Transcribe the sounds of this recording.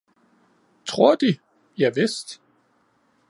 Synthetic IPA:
t͡sʰʁo̝ɐ̰d̥i | jɑ̈ɪʋesd̥

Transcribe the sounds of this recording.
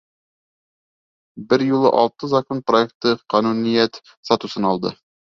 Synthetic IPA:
bɘɾjulˠɤʔɒlˠt̪ɤzɐkonproek̚t̪ɤqɑnunijæt̪ | sɑt̪usɤnɒlˠd̪ɤ̰

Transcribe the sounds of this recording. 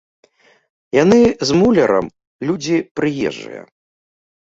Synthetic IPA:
janɨzmulʲɐɾɐ̰m | lʲud͡zʲipɾɨjɛ̰ʐːɨ̰jɐ̰

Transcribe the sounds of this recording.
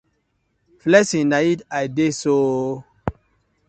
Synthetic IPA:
flɛsĩnaitajdeso

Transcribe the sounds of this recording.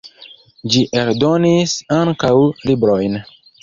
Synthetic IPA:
d͡ʒiʔe̞ɾdo̞nisaŋkawlibɾo̞jn

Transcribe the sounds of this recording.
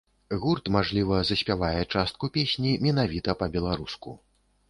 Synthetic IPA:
ɣurt̪maʐlʲivɐzɐsʲpʲavajɛt͡ʂast̪̚kupʲesʲnʲimʲɛnavʲit̪ɐpɐbʲɛlˠaɾuskṵ

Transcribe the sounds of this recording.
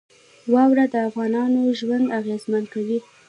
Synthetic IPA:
wɑwɾad̪əafɣɑnɑnoʒwand̪aɣezmankawi

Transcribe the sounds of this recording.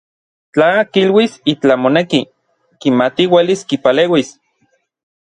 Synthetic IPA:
t͡ɬakilwisit͡ɬamoneki | kimat̪iweliskipaleːwis

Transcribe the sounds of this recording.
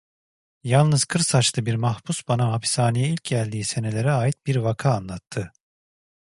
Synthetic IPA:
jalˠnɯz̥kʰɯɾsat͡ʃt̪ʰˠɯbiɾmahbusbanaɦapʰi̥saːnijɛilʲcjælʲd̪iːse̞ne̞lʲe̞ɾɛaːjit̪̚biɾvakʰaːnlˠat̪ʰːɯ

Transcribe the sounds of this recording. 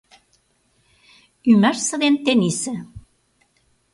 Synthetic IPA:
ymærsə̆ðent̪enisɘ̆

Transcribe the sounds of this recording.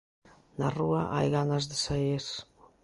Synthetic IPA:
naruaʔa̰jɣanazðɪsajes

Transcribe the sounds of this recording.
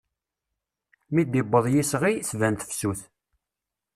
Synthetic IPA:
mid̪ibːəðˤjisʁisvænt̪əfsuθ

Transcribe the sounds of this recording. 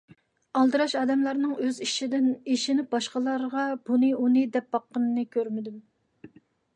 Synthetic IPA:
ɑlˠd̪ɨɾɑʃɑːd̪ɛmlˠɑɾnɨŋøziʃid̪ɪniʃinɪp̚bɑʃqəlˠɑɾʁɑb̥unɨunɨd̪ɛp̚bɑqːənɨnɨkʲʰøɾmɪd̪ym

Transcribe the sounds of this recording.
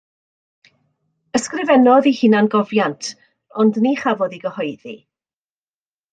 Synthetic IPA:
əskrɪvɛnɔðihɨnanɡɔvjantʰ | ɔndniχavɔðiɡəhɔɨðḭ

